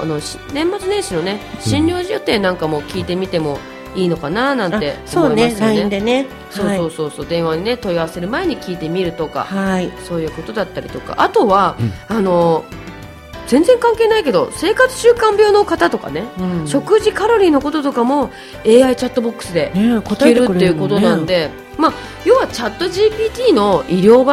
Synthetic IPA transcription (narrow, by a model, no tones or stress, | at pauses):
a̰no̞ɕ | nẽ̞mːat͡sɨnẽ̞ɰ̃ɕino̞ne̞ɕĩɲɾʲo̞ːʑiot̪e̞ːnãŋkamo̞kʲiːt̪e̞mʲit̪e̞mo̞ | iːno̞kananãnt̪e̞oomːoiased̪ene | so̞ːo̞ːso̞ːso̞ːd̪ẽ̞ɰ̃βaɲ̟ine̞t̪o̞iaase̞ɾɯ̟mae̞ɲ̟ikʲiːt̪e̞mʲiɾɯ̟t̪o̞ka̰haso̞ːjɯ̟ːko̞t̪o̞d̪at̪ːaɾʲḭt̪o̞ka̰ʔat̪o̞βaano̞ | zẽ̞nd͡zẽ̞ŋkãŋke̞ːnaike̞d̪o̞̰se̞ːkat͡sɨ̥ɕɨːkãmbʲjo̞ːno̞kat̪at̪o̞ka̰neɕo̞kɯ̟ʑikaɾo̞ɾʲiːno̞ko̞t̪o̞t̪o̞kamo̞ | e̞ːait͡ɕat̪ːo̞bo̞kːɯ̟̥sɨd̪e̞kikeɾɾɯt̪ːe̞iɯ̟ko̞t̪o̞nãnd̪e̞ | ma | jo̞ːβat͡ɕat̪ːo̞ʑiːpʲiːt̪ʲiːno̞iɾʲo̞ːba